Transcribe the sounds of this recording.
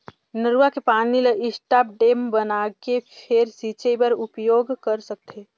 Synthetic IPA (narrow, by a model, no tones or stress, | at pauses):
nəɾuakepaːnileʔɪsʈaːp̚ɖeːmbənakepʰeɾsit͡ʃebəɾʊpjoːɡkəɾsək̚t̪ʰeː